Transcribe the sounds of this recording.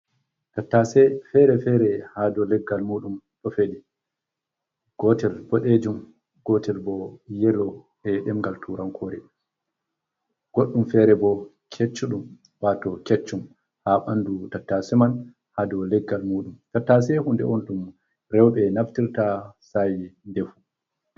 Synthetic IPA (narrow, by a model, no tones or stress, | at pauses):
tatːasɛfɛɾɛfɛɾɛhadɔlɛɡːalmuːɗumɗɔfeɗi | ɡ̥ɔtɛlbɔɗed͡ʒum | ɡɔtʰɛlbɔjɛlɔ | ɛɗɛmɡaltʰuɾankʰoːɾɛ | ɡ̥oɗːumfɛɾɛbɔ | kʰet͡ʃːuɗum | watɔket͡ʃːum | haɓandutatːasɛman | hadɔlɛɡːalmuɗumtatːasɛhundɛ̰ɔntum | ɾɛwɓɛnaftiɾtasajndɛfu